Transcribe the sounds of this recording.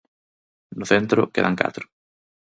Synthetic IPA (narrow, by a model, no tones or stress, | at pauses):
nʊθent̪ɾʊ̰kḛðaŋka̰t̪ɾʊ̥